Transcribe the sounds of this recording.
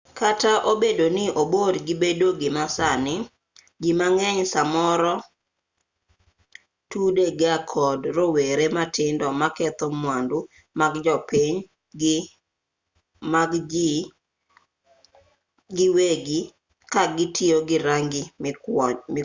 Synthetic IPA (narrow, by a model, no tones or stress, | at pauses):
kataʔobedonɪʔobodɡɪbedoɡɪmasanɪ | ɡimaŋɛɲsamɔɾɔ | tudeɡakʰɔdɾoweɾematɪndɔmakɛt̪ɔmwandu | maɡd͡ʒɔpiɲ | ɡ | maɡd͡ʒi | ɡɪweɡi | kaɡɪtʰɪoɡɪɾaŋɡɪ